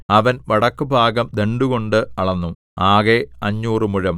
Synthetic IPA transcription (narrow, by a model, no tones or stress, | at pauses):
ɐʋɐnʋɐɽɐkːɨbʱaːɡɐmd̪eɳɖuɣo̞ɳɖɨɐɭɐnːu | aːɣeɐɲːuːrɨmuɻɐm